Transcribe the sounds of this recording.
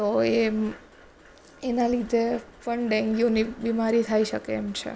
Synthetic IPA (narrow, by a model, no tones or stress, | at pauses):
t̪oe | enalid̪epəɳɖɛ̃ŋɡionibimaɾit̪ʰaiʃəkeːmt͡ʃʰḛ